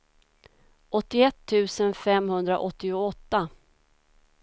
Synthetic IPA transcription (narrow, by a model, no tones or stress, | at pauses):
ʔɔt̪ːɪɛt̪ʰːʉ̟ːsənfɛmhɵnd̪ɾa̰ʔɔt̪ːɪʊɔt̪ːa